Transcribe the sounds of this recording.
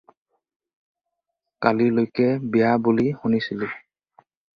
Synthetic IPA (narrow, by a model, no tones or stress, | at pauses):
kalilojkɛbijabulihunisilɛ